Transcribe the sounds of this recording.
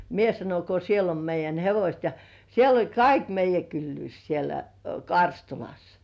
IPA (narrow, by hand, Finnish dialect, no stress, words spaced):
mie sɑnon ko siel om meijˑæn heʋosʲt jɑ siel olʲ kɑik meijˑæ kylːyːs sielæ kɑrstulɑs